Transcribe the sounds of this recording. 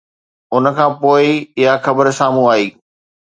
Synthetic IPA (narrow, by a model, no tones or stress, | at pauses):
ʊnkʰãːpoːɪɪɦaxɐbəɾsaːm̤ũaːɦiː